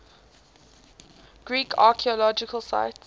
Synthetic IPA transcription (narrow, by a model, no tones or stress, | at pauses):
ɡ̥ɹiːkʰaːkʰiɔlɔd͡ʒɪkʰəlsa̰ɪts